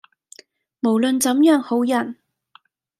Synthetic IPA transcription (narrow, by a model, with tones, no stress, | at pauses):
mo˨˩wlɵ˨nt͡sɐ˨˧˥mjœː˨˥ŋho˨˥wjɐ˨˩n